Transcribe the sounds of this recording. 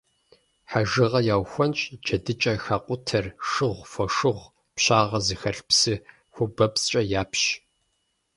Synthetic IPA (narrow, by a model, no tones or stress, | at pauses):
ħaʒɨʁɐjaːwxʷɔnt͡ʃʼd͡ʒɐdɨt͡ʃʼɐxaːqʷʼʊtʰɐrʂɨʁʷfʷɔʂɨʁʷ | pɕaːʁɐzɨxɐɬpsɨ | xʷʊbɐpst͡ʃʼɐjaːpɕ